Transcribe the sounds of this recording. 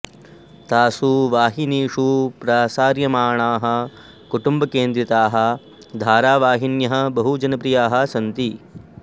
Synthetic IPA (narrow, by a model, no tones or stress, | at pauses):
t̪aːsuʋaːɦiniːʂupɾaːsaːɾjɐmaːɳaːɦɐ̆ | kuʈumbɐkeːnd̪ɾit̪aːɦɐ̆ | d̪ʱaːɾaːʋaːɦinjɐɦɐ̆bɐɦud͡ʒɐnɐpɾijaːɦɐ̆sɐnt̪i